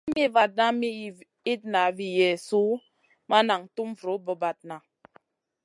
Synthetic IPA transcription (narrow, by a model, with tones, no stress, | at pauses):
mi˦va˨t̚na˦mi˦ | i˦t̚na˨vi˨jɛ˨su˦ | ma˦na˨ŋ̩˨tu˦m˦vɾo˨˦bɔ˨ba˨t̚na˨